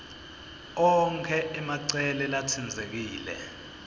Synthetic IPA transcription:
ɔŋkʰɛɛmaǀɛlɛlatʰind͡zʱek̬iːlɛ̰

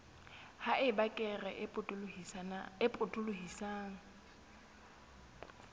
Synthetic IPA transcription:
haʔɪbakʼɛrɛpʼʊ | ɪpʼʊtʼʊlʊɦisaːŋ̩

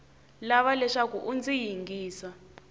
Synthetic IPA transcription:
laβalɛʂakuʔund͡zijiŋɡiːsa

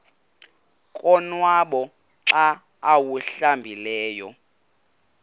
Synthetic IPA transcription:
kʼɔnwaɓɔ | ǁaː | wuɬambʱilɛːjɔ

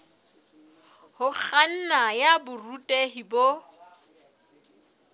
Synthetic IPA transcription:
hʊk͡xʰan̩najabʊrutʼeɦibo

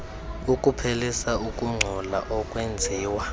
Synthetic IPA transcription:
ukʼupʰelisaukʼuŋ͡ǀʱɔla̰ʔɔkʼwɛnd͡zʱiːwa

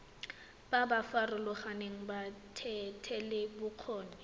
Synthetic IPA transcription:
b̥abafarʊlʊχaneŋ̩batʰɛtʰɛlɪbʊq͡χʰɔːnɛ

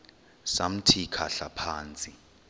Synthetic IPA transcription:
sam̩tʰikʰaɬapʰaːnt͡sʼi

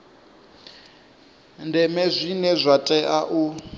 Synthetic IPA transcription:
ndʱɛmɛzʷinɛzʷatʼɛʔaʔu

